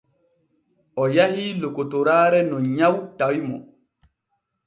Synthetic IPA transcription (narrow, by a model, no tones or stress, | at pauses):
ʔɔjahilokotɔɾaːɾɛnɔɲawtawimɔ̰